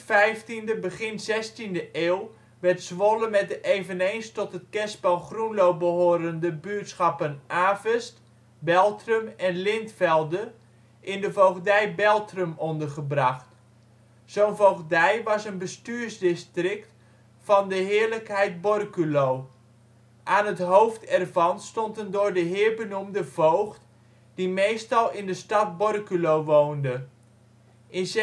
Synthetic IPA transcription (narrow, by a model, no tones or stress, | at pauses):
fɛjftindəbəχɪnzɛstindəʔeːlˠ | ʋɛɹtsʋoləmɛt̚dəʔejvənejnstɔtət̚kɛspɑlˠχrunlowbəɦoːɾəndəbyːtsχɑpənʔaːvəst | bɛlˠtrəmɛnlɪntfɛlˠdə | ʔɪndəvowɣdɛjbɛlˠtrəmɔndərχəbrɑχt | sownvowχdɛjʋɑsənbəstyːɹzdɪstrɪkt | fɑndəɦɪːɹləkɦɛjt̚bɔrkylow | ʔaːnɦətɦowftɛrvɑnstɔndəndʊːɹdəɦɪːɹbənumdəvowχt | d̥imejstɑlˠɪndəstɑt̚bɔrkylowʋowndə | ʔɪns